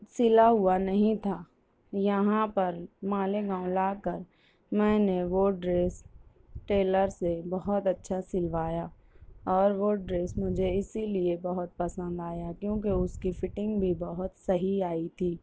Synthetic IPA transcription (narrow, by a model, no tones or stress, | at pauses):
sɪlaɦʊanɐɦĩt̪ʰaː | jɐɦãpɐɾmãːleɡãːʊ̃laːkəɾ | mɛ̃ːneʋoːɖɾeːs | ʈeːləɾsebɐɦʊt̪ɐtːʃʰasɪlʋaːjaː | ɔːɾʋoːɖɾeːsmʊd͡ʒʱeɪsiliebɐɦʊt̪̚pɐsə̃nd̪aːjakjõːkeʊskifɪʈɪ̃ŋɡbʱibɐɦʊt̪sɐɦiaːit̪ʰiː